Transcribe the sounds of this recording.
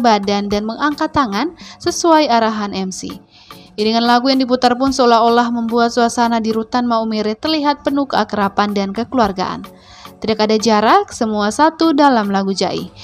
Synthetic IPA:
badandanməŋaŋkat̪aŋansəsuaiaɾaɦanʔɛmsḭ | dəŋanlaɡujaŋdiput̪arpʊnsəolaɦolahməmbuat̪̚suasanadiɾut̪anmaumeɾɛt̪ərliɦat̪̚pənukəakəɾapandankəkəluarɡa̰ʔa̰n | t̪idakadad͡ʒaɾaksəmuasat̪udalamlaɡud͡ʒa̰ʔḭh

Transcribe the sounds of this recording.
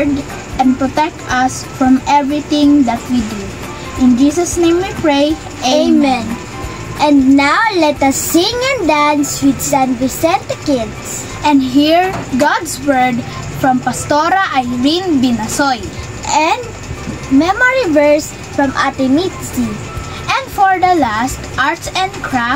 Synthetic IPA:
d̪ | ʔɛ̃n̚pɹɔt̪ɛk̚t̪ɐs | fɹɔ̃mɛvɹiθɪ̃ŋd̪ɐt̪̚wid̪u | ʔɪ̃nd͡ʒisɐsnẽj̃mwipɹej | emɛ̃n | ʔɛ̃nd̪nawlɛt̪ɐsːɪ̃ŋɛ̃nd̪ãnswɪd̪sãnwisɛ̃nt̪ʊkɪd̪s | ʔɛ̃nd̪ɦiɹɡad̪swɛɹd̪ | fɹɐ̃mpɐst̪oɾɐʔajɹinbɪnɐsoj | ʔɛ̃nd̪ | mɛmɔɹivɛɹs | fɹɐ̃mʔat̪ɪmit̪si | ʔɛ̃nd̪fɔɹd̪ɐlast̪ʔaɹt̪sɛ̃nkʰɹa

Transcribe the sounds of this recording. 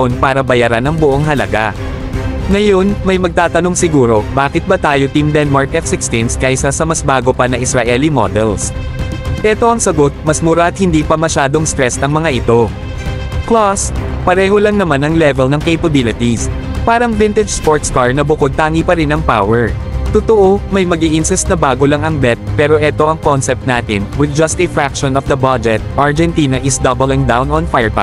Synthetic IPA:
ɐʔonpaːɾɐbɐjaɾanɐŋbʊʔoŋɦɐlɐ̰ɡa̰ | ŋɐjo̞nmɐjmɐɡ̚t̪aːt̪ɐno̞ŋsɪɡuːɾo̞baːkɪt̪̚bɐt̪aːjot̪imd̪ɛnmaɹkɛt̪sɪkst̪ɪnskɐjsɐsɐmɐsbaːɡo̞pɐnɐʔɪsɾaʔɛlimo̰d̪ɛ̰ls | ʔɛːt̪o̞ʔɐŋsɐɡo̞t̪̚mɐsmʊɾaʔɐt̪̚hɪnd̪iːpɐmɐʃaːd̪o̞ŋst̪ɾɹɛsɐŋmɐŋaʔɪt̪o̞ | klaspɐɾɛːho̞lɐŋnɐmanɐŋlɛvɛlnɐŋkejpɐbɪlɪt̪is | paːɾɐŋvɪnt̪ɛd͡ʒspoɹt̪skaɹnɐbʊko̞d̪̚t̪aːŋipɐɾɪnɐŋpa̰wɛɹ | t̪ot̪oʔo̞mɐjmɐɡiʔɪnsɛst̪nɐbaːɡo̞lɐŋɐŋbɛt̪̚pɛːɾo̞ʔɛt̪o̞ʔɐŋkonsɛp̚t̪̚naːt̪ɪnwɪd̪̚d͡ʒɐst̪ɪfɹak̚ʃonɔfd̪ɐbad͡ʒɛt̪̚ʔɐɹd͡ʒɛnt̪iːnɐʔɪsd̪ɐbɛlɪŋd̪awnɔ̃nfajɹka̰

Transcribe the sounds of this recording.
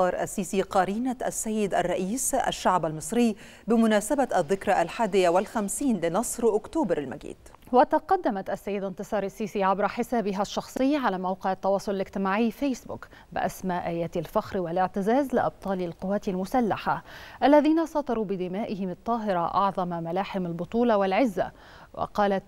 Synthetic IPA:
ɑːɾˤʔa̰sːiːsiːqɑɾiːnaʔa̰sːajːɪd̪a̰rˤːɑʔiːsʔa̰ʃːaʕbalmɨsˤɾɪjː | bɪmʊnaːsabaʔaðːɪkɾˤɑʔalħaːd̪ɪjawɪlxamsiːnlɪnɑsˤɾʔʊkt̪oːbɑɾalma̰ɡḭːd̪ | wat̪ɑqɑd̪ːamat̪ʔasːajːɪd̪ɪnt̪ɨsˤɑːɾˤasːiːsiːʕabɾɑħɪsaːbɪɦaʃːɑxsˤɨjːʕalaːmawqɪʕɑt̪ːɑwɑːsˤʊlɪlɪɡt̪ɪmaːʕɪjːfejsbʊ̰k | bɪ̰ʔa̰smaːʔaːjaːt̪alfaxɾwalɪʕt̪ɪzaːzlɪʔɑ̰b̚t̪ˤɑːlalqʊwːaːt̪almʊsalːaħaʔalːaðiːnasˤɑːt̪ˤɑɾuːbɪd̪ɪmaːʔɪɦɪmɑt̪ˤːɑːɦɪɾˤɑʔɑ̰ʕðˤɑmmalaːħɪmalbʊt̪ˤuːlɑwɪlʕɪzːa̰ | wɑ̰qɑːlat̪

